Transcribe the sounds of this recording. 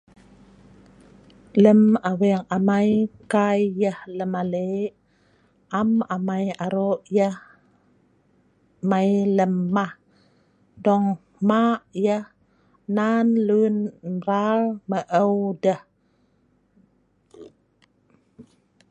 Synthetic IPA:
ləmawɛŋamajkajːəhləmale | amamajaɾoʔjəh | majləmːah | dɔŋ | maʔjəh | nanlunɾalməʔəwdəh

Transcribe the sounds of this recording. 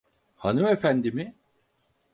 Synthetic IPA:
hanɯme̞fænd̪imɪ

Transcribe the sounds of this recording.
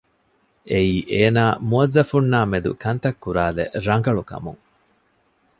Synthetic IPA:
ʔeiːʔeːnaːmuɐzːɐfunːaːmed̪ṵkɐnt̪ɐkːuɾaːlḛʔɾɐŋ̆ɡɐɭukɐ̰mṵŋ

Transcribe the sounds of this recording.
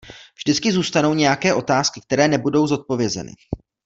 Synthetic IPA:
vʒdɪt͡skɪzuːst̪ano̞wɲɛjakɛːʔo̞t̪aːskɪk̚t̪ɛɾɛːnɛbudo̞wzo̞t̪̚po̞vjɛzɛ̰nɪ̰

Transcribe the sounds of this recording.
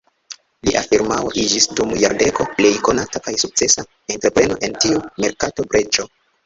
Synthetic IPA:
liʔafiɾmawo̰ʔid͡ʒisdumjaɾde̞ko̞ple̞jko̞natakajsuk̚t͡se̞sa | entɾe̞pɾe̞no̞̰ʔe̞ntiume̞ɾkato̞bɾe̞t͡ʃo̞

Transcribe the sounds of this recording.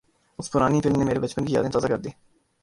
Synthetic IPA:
ʊspʊɾaːniːfɪlmneːmeːɾebət͡ʃpənkija̰d̪ẽːt̪ɔːzaːkəɾd̪iː

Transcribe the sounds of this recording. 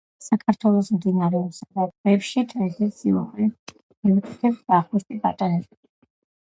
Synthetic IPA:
sakʰaɾt̪ʰwɛlˠɔsmd̪inaɾɛɔpsad̪at̪vɛpʃit̪ʰvɛsɛsiuχli | mivikʼit̪ʰɛpsb̥̪aχɡust̪ʼibat̪ʼanɛb

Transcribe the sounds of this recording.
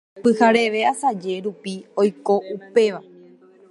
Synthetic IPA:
pɨhaɾe̞ʋe̞asad͡ʒe̞ɾupiojko̞ʔupe̞ʋa

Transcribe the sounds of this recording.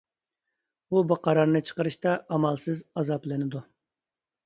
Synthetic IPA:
ubɨqʰɑɾɑɾnɨt͡ʃʰə̥qəɾɨʃt̪ɑʔɑmɑlˠsɨzɑzɑplɨnɪd̪u

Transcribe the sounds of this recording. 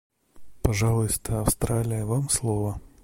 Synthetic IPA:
paʐalˠʊjst̪ʰɐːwst̪ɾalʲɪjɐvamslˠɔvɐ

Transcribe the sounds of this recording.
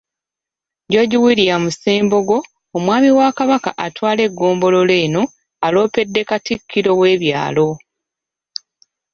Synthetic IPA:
ɟo̞ːɟiwiːɾijamuse̞ːmbo̞ɡo̞ː | mwaːmiwakaβaka̰ʔatwaːle̞ɡːo̞ːmbo̞lo̞le̞ːno̞ | alo̞ːpe̞dːe̞katikʰːiɾo̞we̞ːβja̰ːlo̞

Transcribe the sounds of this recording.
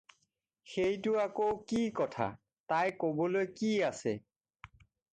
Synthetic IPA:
xejtʊakowkikɔtʰa̰ | tajkobɔlojkiasɛ

